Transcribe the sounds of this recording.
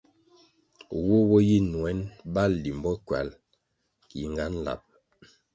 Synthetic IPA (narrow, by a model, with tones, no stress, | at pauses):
wo˦wɔ˦ji˦nwɛ˨˦nba˦˨lːi˨m˨bɔ˦kwa̰˨˦l | ki˨ŋɡa˦n˦la̰˨p̚